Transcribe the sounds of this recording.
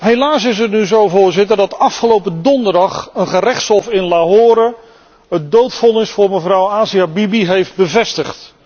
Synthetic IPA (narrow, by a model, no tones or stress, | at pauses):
ɦelaːs̬ɪs̬ətnyzowvʊːɹzɪtəɹdɑtɑfχəlowpədɔndəɹdɑχənχərɛχtsɔfɪnlaɦoːɾə | ɦətdowtfɔnɪsfʊːɹməvrʌwaːsiabibiɦejfd̚bəvɛstəχt